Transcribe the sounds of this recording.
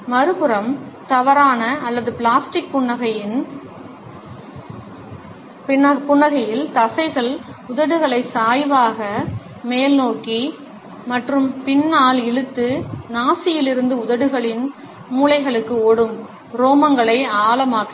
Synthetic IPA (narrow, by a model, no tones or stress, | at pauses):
mɐɾɯpɯɾɐmt̪ɐʋɐɾaːnɐːlːɐðɯpɭaːsʈɪk̚pʊɳːɐɣɐjɪn | pɪnːɐpʊɳːɐɣɐjɪlt̪ɐsɐɪɣɐɭʊðɐɽɯɣɐɭɐɪsaːjʋaːɣɐ | meːlnoːki | mɐʈrɯmpɪnːaːlɪɻɯt̪ːɯnaːsɪjɪlɪɾɯnd̪ɯʊðɐɽɯɣɐɭɪn | muːlɐɪɣɐɭɯkːɯoːɽɯm | ɾoːmɐŋɡɐɭɐɪaːlɐmaːk